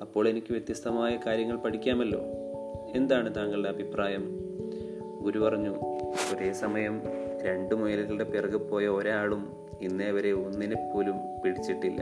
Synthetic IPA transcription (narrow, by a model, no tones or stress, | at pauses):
ɐpːo̞ːɭenikʲːɨʋjet̪jɐst̪ɐmaːjɐkaːɾjɐŋːɐɭpɐʈʰikʲːaːmɐlːo̞̰ː | e̞nd̪aːɳɨt̪aːŋːɐɭɽeɐbʱipraːjɐm | ɡuɾupɐrɐɲːuo̞ɾe̞ːsɐmɐjɐmɾe̞ɳɖɨmujɐliilɽe̞pirɡɨpːo̞ːjɐoɾaːɭum | inːeːʋɐɾe̞onːinepːo̞ːlum | piɽit͡ɕːiʈːilːɐ̰